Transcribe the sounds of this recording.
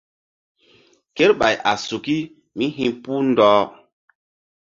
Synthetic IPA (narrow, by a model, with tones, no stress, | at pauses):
ke˦ɾɓa˨jʔa˨su˨ki˦ | mi˦ɦĩ˦pu˦ndɔː˦